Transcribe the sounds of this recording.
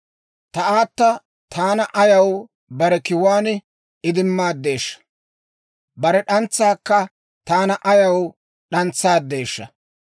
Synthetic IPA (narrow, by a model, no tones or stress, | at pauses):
t̪ɐaːt̪ːɐ | t̪ʰaːnɐʔɐjɐw | bɐɾɛkɪwaːn | ɪd̪ɪmːaːd̪ːe̞ːʃːɐ̥ | bɐɾɛɗɐnt͡sːaːkːɐ | t̪aːnɐʔɐjɐw | ɗɐnt͡sːaːd̪ːe̞ːʃːɐ